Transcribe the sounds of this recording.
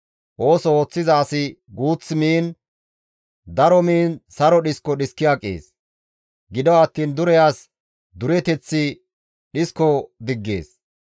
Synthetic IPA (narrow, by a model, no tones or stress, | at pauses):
ʔo̞ːsɔo̞ːt͡sːɪzaːsɪɡuːt͡sːmiːn | d̪ɐɾɔmiːnsɐɾɔɗɪskːɔɗɪskːɪjakʼːḛːs | ɡɪd̪ɔwɐt̪ːiːnd̪ʊɾɛjaːs | d̪ʊɾɛt̪ɛt͡sːɪ | ɗɪskːɔd̪ɪɡːḛːs